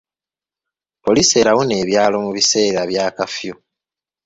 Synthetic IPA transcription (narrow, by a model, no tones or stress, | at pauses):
po̞lise̞ːɾawone̞ːβjaːlo̞muβise̞ːɾaβjaːkafju